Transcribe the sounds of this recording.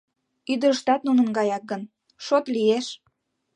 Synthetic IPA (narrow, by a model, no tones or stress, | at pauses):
yd̪əɾəʃt̪ɑt̪̚nunənɡɑjɑk̚ɡən | ʃot̪lijeʃ